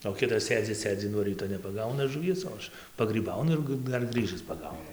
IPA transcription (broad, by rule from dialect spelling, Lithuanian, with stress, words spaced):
oː ˈkʲɪtɐs ˈsʲeːd͡zʲɪ ˈsʲeːd͡zʲɪ nuɔ ˈrʲiːtoː nʲɛpɐˈɡɐʊnɐ ʒʊˈʋʲiɛs oː ˈɐʃ pɐɡrʲiːˈbɐʊnʊ ɪr ˈɡɨ ˈdɐr ˈɡrɨʒɨs pɐˈɡɐʊnʊ